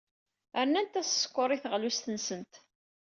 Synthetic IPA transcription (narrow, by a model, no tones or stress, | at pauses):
əɾnænt̪æsə̥skʷːʊɾˤiθəʁlust̪ənsənt̪